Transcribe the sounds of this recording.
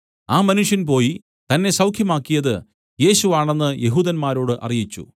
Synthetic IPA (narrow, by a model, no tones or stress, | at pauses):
aːmɐnuʂjɐnpo̞ːji | t̪ɐnːe̞sɐwkʰjɐmaːkːijɐðɨ | je̞ːɕuʋaːɳe̞nːɨje̞ɦuːðɐnmaːɾo̞ːɽɨʔɐ̰rijit͡ɕːṵ